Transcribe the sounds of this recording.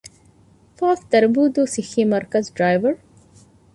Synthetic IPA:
faːft̪ɐɾbuːd̪usiximɐɾkɐzɖɾaːjʋɐɾ

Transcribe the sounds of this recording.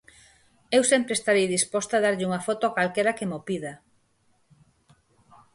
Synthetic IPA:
ewsɛmpɾest̪aɾejðispɔst̪aðaɾʎɪuŋafɔt̪oakalkeɾakemopiða

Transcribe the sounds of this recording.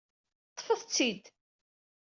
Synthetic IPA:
t̪ˤːfəðˤt͡sːid̪

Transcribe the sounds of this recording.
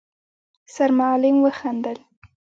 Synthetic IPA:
saɾmalɪmwəxand̪əl

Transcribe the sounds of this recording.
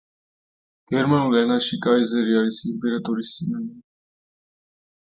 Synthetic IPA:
ɡ̥ɛɾmanulɛnaʃikʼaizɛɾiaɾisimpʼɛɾat̪ʼɔɾisinam

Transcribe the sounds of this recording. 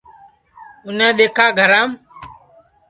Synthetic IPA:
ʊnẽːɗ̪eːkʰaːɡʱəɾãːm

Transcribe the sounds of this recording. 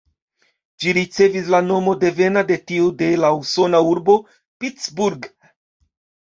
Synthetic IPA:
d͡ʒiɾit͡se̞vislano̞mo̞de̞ve̞nade̞tiude̞lauso̞nauɾbo̞ | pit͡sbuɾɡ

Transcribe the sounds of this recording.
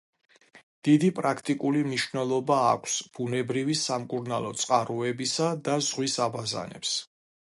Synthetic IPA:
d̪̥id̪ipʼɾakʰt̪ʼikʼulimniʃvnɛlˠɔba̰ːkʷʰsb̥unɛbɾivisamkʼuɾnalˠɔt̪sʼqʼaɾuɛbisad̪azʁwisabaza̰nɛ̰ps

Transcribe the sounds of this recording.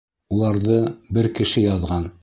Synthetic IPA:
ulˠɑɾðɤbɘɾkɘ̆ʃɘjɑðʁɑn

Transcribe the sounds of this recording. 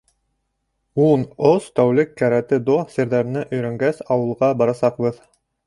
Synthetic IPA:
unost̪æwlɘkːæɾæt̪ɘd̪osĕɾðæɾnɘʔɵ̆jɾæŋɡæsɑwɤ̆lˠʁɑbɑɾɑsɑqbɤð

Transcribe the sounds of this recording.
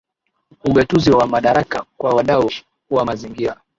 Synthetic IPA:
uɓatuziwamaɗaɾakakwawaɗau | wamaziŋɡiɾa

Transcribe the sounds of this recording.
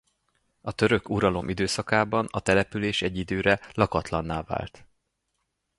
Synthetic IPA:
ɒt̪ø̞ɾø̞kuɾɒlo̞mʔid̪øːsɒkaːbɒnɒt̪ɛlɛpyleːʃɛɟːid̪øːɾɛlɒkɒt̪lɒnːaːva̰ːlt̪

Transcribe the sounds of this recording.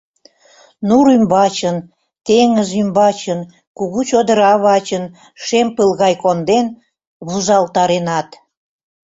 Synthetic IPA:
nuɾymbɑt͡ɕən | t̪eŋəzymbɑt͡ɕən | kuɣut͡ɕod̪əɾɑβɑt͡ɕən | ʃempəlɣɑjkond̪en | βuzɑlt̪ɑɾenɑt̪

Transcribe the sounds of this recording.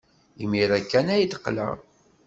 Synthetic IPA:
imiɾækːænæjət̪qːlə̰ʁ

